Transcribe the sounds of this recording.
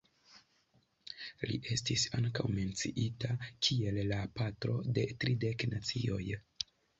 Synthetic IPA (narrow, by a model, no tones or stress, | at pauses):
lḭʔe̞stisaŋkawme̞nt͡siʔitakʰie̞lːapatɾo̞̰de̞tɾide̞knat͡sio̞j